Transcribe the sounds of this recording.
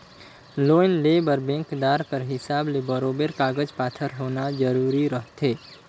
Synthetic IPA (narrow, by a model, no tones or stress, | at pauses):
loːjnlebəɾbẽŋkd̪aɾkəɾɦɪsaːblebəɾobeɾkaɡəd͡ʒpaːt̪ʰəɾɦonad͡ʒəɾuɾiɾəɦt̪ʰe